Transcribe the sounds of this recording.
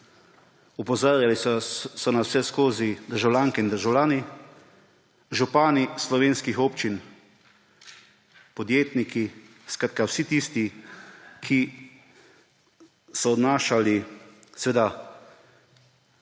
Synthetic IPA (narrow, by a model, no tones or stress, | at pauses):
upɔzaːɾjalisɔnawsɛskoːzid̪əɾʒawlʲjaːŋkɛind̪əɾʒawlʲaːni | ʒupaːnislɔʋeːnskixoːpt͡ʃin | pɔd̪jeːt̪niki | skɾaːt̪̚kawsit̪ist̪i | kʰi | sɔːd̪naːʃalisɛʋeːd̪a